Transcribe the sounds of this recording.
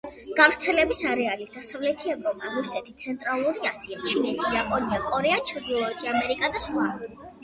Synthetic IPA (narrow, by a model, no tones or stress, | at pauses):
ɡ̥avɾt̪sʰɛlɛbisaɾɛalid̪̥asavlɛt̪ʰiɛvɾɔpʼaɾusɛt̪ʰit̪sʰɛnt̪ʼɾalˠuɾiasiat͡ʃʰinɛt̪ʰijapʼɔnivɛkʼɔɾɛat͡ʃʰɾd̪ilˠɔɛt̪ʰiamɛɾikʼad̪asχwa